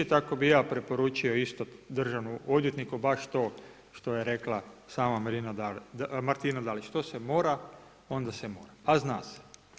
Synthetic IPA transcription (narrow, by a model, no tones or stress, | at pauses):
it̪akobijaːpɾe̞po̞ɾuːt͡ʃio̞ist̪od̪r̩ʒanuo̞d̪jet̪nikubaʃt̪o̞ː | ʃt̪o̞je̞ɾe̞klˠasaːmamɾinamaɾt̪inad̪alit͡ʃt̪o̞semoːɾa | o̞nd̪asemo̞̰ːɾapaznaːse̥